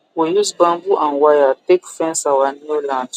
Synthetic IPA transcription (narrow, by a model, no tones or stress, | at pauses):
wojuzbãmbuʔãnwajatekfɛ̃nsawanulãnd